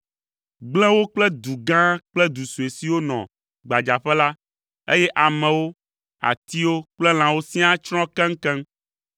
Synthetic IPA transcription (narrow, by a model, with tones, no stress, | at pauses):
ɡ͡blɛ̃˦wo˦k͡plɛ˦d̪u˨ɡã˦k͡plɛ˦d̪u˨su˨e˨si˨wo˦nɔ̰̃˨ | ɡ͡ba˨d͡ʒa˨ɸɛ˦la˦ | ḛ˦jɛ˦ʔa˨mɛ̃˨wo˦ | a̰˨t̪i˦wo˦k͡plɛ˦l̃ã˨wo˦sĩ˦a˦t͡ʃɾ̃ɔ̃˦kɛ̃˦ŋ̩˦kɛ̃˦m